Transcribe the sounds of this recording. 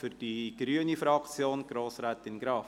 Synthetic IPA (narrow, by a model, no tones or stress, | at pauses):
fʏrd̥iɡ̥ɾyənifɾɑkt͡sjoːnɡ̥ɾoːsɾætɪnɡɾɑːf